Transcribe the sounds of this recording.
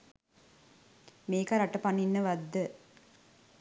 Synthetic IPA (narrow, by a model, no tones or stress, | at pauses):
meːkaɾaʈəpanːinːəʋad̪ːə